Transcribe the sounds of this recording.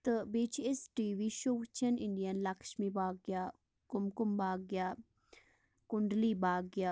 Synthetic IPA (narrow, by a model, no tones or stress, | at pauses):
t̪ɨbeːt͡ʃʰesʈiːʋiʃoːt͡ʃʰɐnɪɳɖijɐnlɐkʃmibaːɡjaː | kʊmkʊmbaːɡja | kʊɳɖliːbaːɡja